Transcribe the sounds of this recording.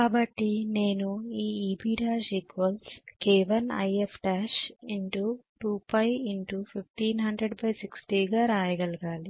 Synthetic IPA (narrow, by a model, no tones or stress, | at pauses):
kkaːbɐʈːine̞ːnuiːiːbiːɽaːd͡ʒiɡʋɐlskɛːʋɐnɐ̰jepʰʈaːʃiɳʈuʈuːpɐjiɳʈupʰipʰʈiːnɦɐɳɖɾeɖbɐjsiksʈiːɡaːɾaːjɐɡɐlɐɡaːli